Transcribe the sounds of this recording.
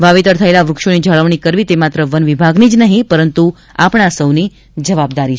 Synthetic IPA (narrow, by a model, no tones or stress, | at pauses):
ʋaʋit̪əɾt̪ʰəelaʋɾʊkʃonid͡ʒəɭəʋɳ̃ikəɾʋit̪emat̪ɾəʋənʋibʱaɡnid͡ʒnəɦĩpəɾənt̪u | apɳ̃asəwni | d͡ʒəʋab̚d̪aɾi